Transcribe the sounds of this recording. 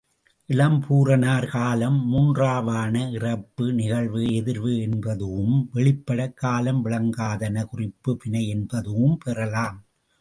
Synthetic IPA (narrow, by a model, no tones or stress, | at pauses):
ʔɪlɐmpʰuːrɐnaːɾkaːlɐmːuːndraːʋaːnɐɪrɐpːɯnɪɣɐɭʋɯɛðɪɾʋɯɛnbɐðɯʋɯmʋɛɭɪpːɐɽɐkːaːlɐmʋɪɭɐŋɡaːðɐnɐkʊrɪpːɯpɪnɐɪɛnbɐðɯʋɯmpɛrɐlaːm